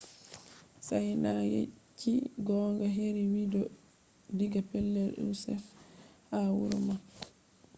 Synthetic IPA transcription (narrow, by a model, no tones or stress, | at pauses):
sajnajḛt͡ʃʰːiɡɔːŋɡaɦeɾiwidɔ | diɡapɛlːɛlṵsɛ̰fhawuɾɔmak